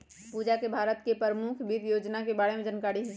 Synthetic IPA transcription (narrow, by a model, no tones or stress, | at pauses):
puːd͡ʒakebʱaːɾət̪kepəɾəmʊkʰbʱiːt̪joːd͡ʒnakebaːɽemẽd͡ʒənkaːɽiɦɪ